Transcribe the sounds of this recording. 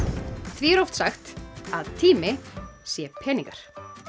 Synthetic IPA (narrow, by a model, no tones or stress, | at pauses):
θviɛɾɔft̪saxt̪aðt̪ʰiːmɪsjɛpʰɛːniŋkaɾ̥